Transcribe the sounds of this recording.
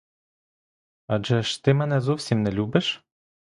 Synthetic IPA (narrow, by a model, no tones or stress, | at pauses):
ɑd͡ʒɤ̆ʃt̪emɑnæzufsemnɘ̆lʲubɘ̆ʃ